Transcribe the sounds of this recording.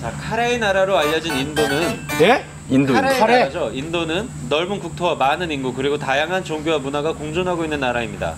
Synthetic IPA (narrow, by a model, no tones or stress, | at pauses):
t͡ɕakʰaɾeinaɾaɾoaʎːʌd͡ʑinindonɯnne | indoaɾed͡ʑoindonɯnːʌɭbunkuk̚tʰowamanɯninɡukɯɾiɡotajaŋɦant͡ɕoŋɡjowamunaɡakoŋd͡ʑonɦaɡoinːɯnːaɾaimɲida̰